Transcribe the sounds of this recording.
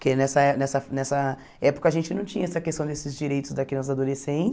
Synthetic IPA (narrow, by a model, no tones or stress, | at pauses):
kenɛsɐɛnɛsɐnɛsɐ | ɛpo̥kɐːʒẽnt͡ʃɪnɐ̃w̃t͡ʃĩɲɐɛsɐkest̪ɐ̃w̃d̪esɪzd͡ʒiɾejt̪ʊzd̪akenɐzad̪olesẽnt͡ʃɪ̥